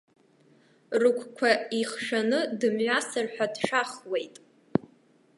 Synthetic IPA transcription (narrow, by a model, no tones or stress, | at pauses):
rɨkʷʰkʷʰaiχʂanɨdɨmɥʷasɨrħʷᶣadʂaχwejtʼ